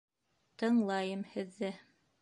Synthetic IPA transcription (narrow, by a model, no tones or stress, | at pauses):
t̪ɤ̆ɴlˠɑjɤmhɘ̆ðːɘ